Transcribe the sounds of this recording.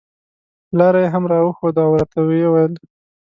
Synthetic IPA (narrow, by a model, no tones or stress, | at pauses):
lɑɾajeɦamɾɑwəxod̪aawɾat̪awejwajəl